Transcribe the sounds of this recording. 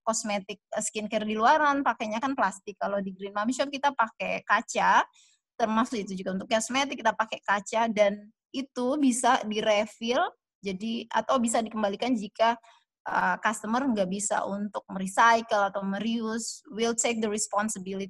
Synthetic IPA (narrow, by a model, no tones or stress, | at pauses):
kɔsmet̪ɪk̚əskinkɛrdiluaɾanpakeɲakanplast̪ɪkːalodiɡɾinmamiʃɔp̚kit̪apakekat͡ʃa | t̪ərmasʊit̪ud͡ʒuɡaunt̪ʊkːɔsmet̪ɪkːit̪apakekat͡ʃadan | it̪ubisadiɾefɪl | d͡ʒadia̰t̪awbis̬adikəmbalikand͡ʒika | ʔə̰kast̪əmərŋɡaʔbisa̰ʔunt̪ʊk̚məɾisajkəlat̪awməɾiʊswilt̪ek̚d̪əɾɛspɔnsəbilit̪i